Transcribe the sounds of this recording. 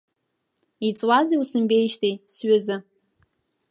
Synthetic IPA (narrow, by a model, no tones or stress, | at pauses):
it͡sʼwaziusɨmbejʃtʰejsɥazɨ